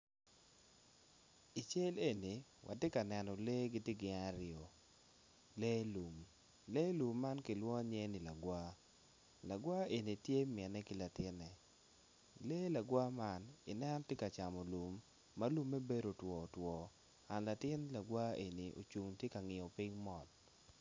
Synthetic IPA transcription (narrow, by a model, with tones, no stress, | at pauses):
i˨t͡ʃe˦le˦ni˨wʔa̰˨tje˦ka˨nɛ˨nɔ˨le˦ɡɪ˦te˦ɡɪ˨˦ŋa˦ɾɪɔ˨ | le˦lu˨m | le˦lu˨mːa˦nkɪ˨lwɔ˦ɲɛ˦ni˨la˨ɡwa˦ | la˨ɡwa˦e˨ni˨tje˦mɪ˨ɛ˨nɛ˦kɪ˦la˨tɪ˦nɛ˨ | le˦la˨ɡwa˦ma˦nɪ˨nɛ˦nɔ˦tje˦ka˨t͡ʃa˨mɔ˨lu˨mː | a˦lu˦mːɛ˦be˦ɾo˨twɔ˨twɔ˨ | a˨nla˨tɪ˦nla˨ɡwa˦e˨ni˨ʔo̰˨t͡ʃu˨ŋtje˦ka˨ŋɪ˨ɔ˨pɪ˦ŋmɔ˨t